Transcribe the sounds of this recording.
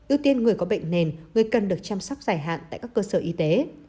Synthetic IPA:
ʔi˧əwt̪i˧ənŋɨ˨˩əjkɔ˨˦ɓə̰˧˨jŋ̟ne˨˩nŋɨ˨˩əjkə˨˩nɗɨ˨˩ək̚t͡ɕa˧msa˦˥wk͡p̚zaː˨˩jɦa̰ː˧˨nt̪a̰ː˧˨jkaː˦˥kːəː˧səː˧˩ʔi˧t̪e˨˦

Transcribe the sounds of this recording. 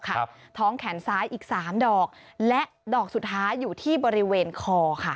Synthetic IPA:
kʰa˥ | t̪ʰɔː˦˥ŋkʰɛ˩˦nsaː˦˥jʔiː˨˩k̚saː˩˦mdɔː˨˩k̚lɛ˦˥ʔdɔː˨˩k̚su˨˩t̪ʰːaː˦˥jːuː˨˩t̪ʰiː˥˩bɔː˧ɾi˦˥weː˧nkʰɔː˧kʰa˥˩

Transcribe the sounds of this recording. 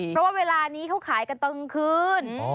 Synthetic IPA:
ɾɔ˦˥waː˥˩weː˧laː˧niː˦˥kʰa˦˥wkʰaː˩˦jka˧nt̪ɤ˧ŋkʰɯː˧n

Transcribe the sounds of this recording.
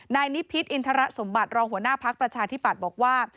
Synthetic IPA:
naː˧jni˦˥pʰːi˦˥t̪̚ʔi˧nt̪ʰa˧˥ɾa˦˥so˩˦mba˨˩t̪̚ɾɔː˧ŋɦu˩˦ənaː˥˩pʰa˦˥k̚pɾa˧t͡ɕʰaː˧t̪ʰi˦˥˩pːa˨˩t̪̚bɔː˨˩k̚waː˥˩

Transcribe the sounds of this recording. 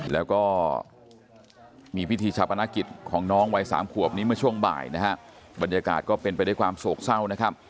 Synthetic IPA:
lɛː˦˥wkɔː˥˩ | miː˧pʰi˦˥t̪ʰiː˧t͡ɕʰa˦˥p̚ʔa˧naː˦˥ki˨˩t̪̚kʰɔː˩˦ŋnɔː˦˥ŋwa˧jsa̰ː˩˦mkʰu˨˩əp̚niː˦˥mɯ˥˩ɐt͡ɕʰu˥˩əŋba̰ː˨˩jna˦˥kʰa˦˥ʔ | ba˧njaː˧ka̰ː˨˩t̪̚kɔː˥˩pe˧npa˧jda˥˩jkʰwaː˧msoː˨˩k̚sa˥˩wna˦˥kʰa˦˥p̚

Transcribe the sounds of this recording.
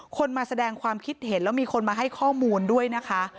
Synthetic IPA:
kʰo˧nmaː˧sa˧dɛː˧ŋkʰwaː˧mkʰi˦˥t̪̚he˩˦nlɛː˦˥wmiː˧kʰo˧nmaː˧ɦa˥˩jkʰɔː˥˩muː˧ndu˥˩əjna˦˥kʰa˦˥ʔ

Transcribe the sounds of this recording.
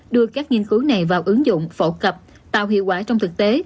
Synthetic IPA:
ɗɨ˧əkaː˦˥k̚ŋi˧ənkɨ˨˦wna˨˩jvaː˨˩wʔɨ˨˦ŋzʊ̰˧˨ŋ͡mfo̰˧˩kə˨˩p̚ | t̪a̰ː˧˨wɦḭ˧˨əwkwaː˧˩t͡ɕɔ˧wŋ͡mt̪ɨ˨˩k̚t̪e˨˦

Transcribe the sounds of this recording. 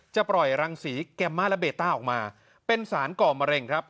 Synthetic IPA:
t͡ɕa˨˩pɾɔ˨˩jɾa˧ŋsiː˩˦kɛ˧mːaː˦˥˩lɛ˦˥beː˨˩t̪ːaː˥˩ʔɔː˨˩k̚maː˧ | pe˧nsaː˩˦nkɔː˨˩ma˧ɾe˧ŋkʰɾa˦˥p̚

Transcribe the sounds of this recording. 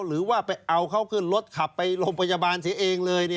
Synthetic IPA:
ɾɯː˩˦waː˥˩pa˧jʔa˧wkʰa˦˥˩wkʰɯ˥˩nlo˦˥t̪̚kʰa˨˩pːa˧jlo˧ŋmpʰa˧ja˧baː˧nsi˨˦ɐʔeː˧ŋlɤː˧jni˥˩

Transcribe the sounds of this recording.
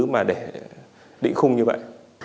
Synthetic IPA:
ɨ˨˦maː˨˩ɗe˧˩ | ɗḭ˧˨ŋ̟xʊ˧ŋ͡mɲɨ˧və̰˧˨jʔ

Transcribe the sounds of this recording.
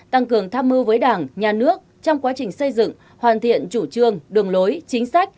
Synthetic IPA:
t̪a˧ŋkɨ˨˩əŋt̪ʰaː˧mːɨ˧wvəː˨˦jɗaː˧˩ŋɲaː˨˩nɨ˦˥ək̚t͡ɕɔ˧wŋ͡mkwaː˨˦t͡ɕï˨˩ŋ̟sə˧jzɨ̰˧˨ŋ | hwaː˧˨˩nt̪ʰḭ˧˨ənt͡ɕu˧˩t͡ɕɨ˧əŋɗɨ˨˩əŋlo˨˦jt͡ɕï˨˦ŋ̟sa˦˥jk̟̚

